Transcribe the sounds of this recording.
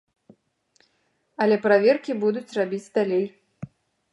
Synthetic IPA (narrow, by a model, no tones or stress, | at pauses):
ɐlʲɛpɾavʲerkʲibud̪ut͡sʲrabʲid͡zʲd̪alʲej